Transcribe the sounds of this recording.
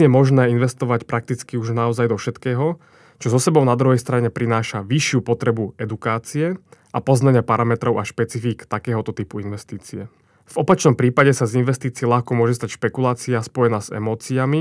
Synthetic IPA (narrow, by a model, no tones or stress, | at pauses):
ɲɛmɔʒnɛːinʋɛst̪ɔʋacpɾʔak̚t̪it͡skiuʒnaɔzajd̪ɔfʃɛt̪kɛːɦɔ | t͡ʃɔzɔsɛbɔʊnad̪ɾuɦɛjst̪ɾaɲɛpɾinaːʃaʋiʃɪupɔt̪ɾɛbuɛd̪ukaːt͡siɛʔapɔznaɲɪapaɾamɛt̪ɾɔʊaʃpɛt͡sifiːkt̪akɛːɦɔt̪ɔt̪iːpuinʋɛst̪iːt͡siɛ | v̥ɔpat͡ʃnɔmpɾiːpaɟɛsazinʋɛst̪iːt͡siɛlaxkɔmʊɔʒɛst̪acʃpɛkulaːt͡siaspɔjɛnaːz̥ɛ̰mɔːt͡siami